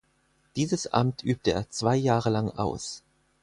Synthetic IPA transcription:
d̥iːzəsʔa̰mtʰʔyːp̚təḛːɐt͡sv̥aɪjaːʁəlaŋʔa̰ʊs

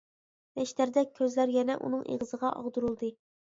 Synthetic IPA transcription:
mɛʃt̪æɾd̪ɛk̚ʲʰːøzlæɾjɛnɛ̰ʔṵnɨŋʔḛʁəzəʁɑʔɑ̰ʁd̪uɾulˠd̪ɨ

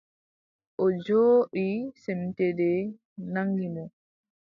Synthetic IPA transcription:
ʔɔd͡ʒoːʔisɛmtɛdɛ | naŋɡimɔ

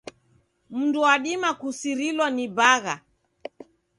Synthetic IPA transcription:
m̩nduwaɗimakusiɾilwanibaɣa̰

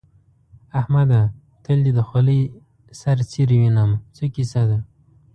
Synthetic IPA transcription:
ahmad̪a | t̪əld̪id̪əxali | saɾt͡siɾwinamt͡sokisad̪a

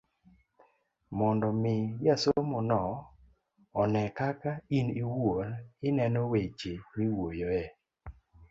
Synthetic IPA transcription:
mɔndɔmɪjasomɔnɔ | nɛkakainiwolɪnɛnɔwet͡ʃewiwojoɛ

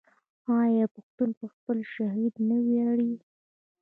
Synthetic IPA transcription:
ɑjɑepaxt̪unpəxpəlʃaɦid̪nəwjaɽi

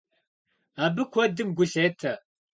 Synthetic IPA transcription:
aːbɨkʷʰɔdɨmɡʷʊɬeːtʰɐ

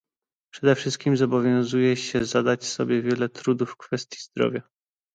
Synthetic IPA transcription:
pʂɛd̪ɛfʂɘst̪̚kʲimzɔbɔvʲjɔ̃w̃zujɛɕɛzad̪at͡ɕsɔbʲjɛvʲjɛlɛt̪ɾud̪ufːkfɛst̪ʲjizd̪ɾɔ̰vʲja

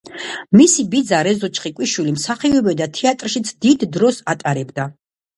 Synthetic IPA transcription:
misibid̪zaɾɛzɔt͡ʃʰʼχikʼwiʃwilimsaχiɔbɛd̪at̪ʰɛat̪ʼɾʃit̪sʰd̪id̪ːɾɔsat̪ʼaɾɛbd̪a

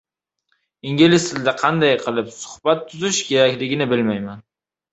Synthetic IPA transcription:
ɪŋɡʲɪlɪst̪ʰɪld̪aqʰɑnd̪ajqʰɨlˠɪpsʊ̥hbat̪ʰːʊzɪʃkʲʰe̞ɾakʲlɪɡʲɪnɪbɪlmajman

